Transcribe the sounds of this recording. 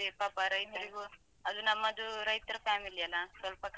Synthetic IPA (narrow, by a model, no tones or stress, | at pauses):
epɐpaɾɐjniɾiɡu | ɐd̪unɐmːɐd̪uɾɐjt̪ɾɐpʰaːmilijɐlasɐlpɐk